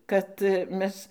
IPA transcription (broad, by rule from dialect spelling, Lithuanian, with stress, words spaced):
ˈkɐt ˈmʲɛs